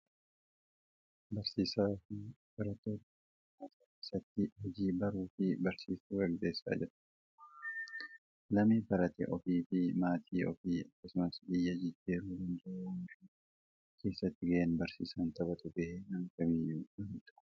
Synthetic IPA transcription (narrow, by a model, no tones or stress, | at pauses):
bɐɾsiːsaːf | bɐɾɐt̪ːoːt̪ | aːt̪akeːsɐt̪ːɪhɔd͡ʒiːbɐɾuːfɪbɐɾsiːst̪uːɡɐɡd̪eːsːa̰ːd͡ʒɪɾɐ̥ | lɐmibɐɾɐt̪ɛ̰ʔɔfiːfɪmaːt̪ʰiːɔ̰fiːɐkːɐsʊmɐsbɪjːɐd͡ʒɪd͡ʒːiːɾuhɪnd͡ʒɪɾnfi | kʰe̞ːsːɐt̪ːɪɡɐʔenbɐɾsḭːsɐnt̪ɐbɐt̪ʼʊbehenɐŋkɐbɪʊmt̪ʊ̥